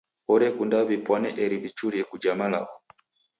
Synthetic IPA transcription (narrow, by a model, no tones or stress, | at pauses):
ɔɾɛkundaβipwanɛʔɛɾiβit͡ʃuɾjɛkud͡ʒamala̰ɔ